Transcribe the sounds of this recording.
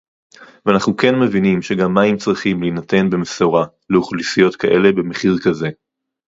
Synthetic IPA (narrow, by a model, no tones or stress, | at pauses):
veanaχnuke̞nme̞vinimʃe̞ɡamːaimt͡sʁiχimlinate̞nbe̞mesoʁa | leuχlisijo̞t̪kʰaʔe̞le̞bemeχiʁkaze̞